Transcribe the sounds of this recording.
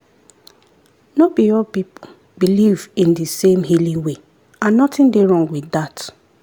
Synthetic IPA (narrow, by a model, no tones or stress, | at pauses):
nobiɔpipo | bilivĩndisẽmɦilĩwe | ãnːɔtɪ̃ndeɹɔ̃ŋɡwiθat